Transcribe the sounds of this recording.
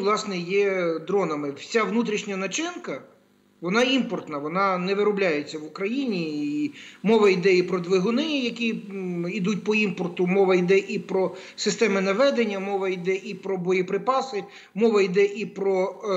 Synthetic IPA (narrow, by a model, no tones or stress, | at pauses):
ʋlˠɑsnɛjɛd̪ɾɔnɐmɪt͡sʲaʋnut̪ɾʲiʃnʲɐnɐt͡ʃɪnkɐ | ʋɔnɑimpɔrt̪nɐʋɔnɑnɛʋɪɾɔblʲajet͡sʲːɐʋʊkɾɐjinʲiː | mɔʋɐid̪ɛipɾɔd̪ʋɪɦʊnɪjɐkʲiid̪ut̚ʲpɔimpɔrt̪ʊmɔʋɐid̪ɛʔipɾɔsɪst̪ɛmɪnɐʋɛd̪enʲːɐmɔʋɐid̪ɛʔipɾɔbɔjipɾɪpɑsɪ | mɔʋɐid̪ɛʔipɾɔ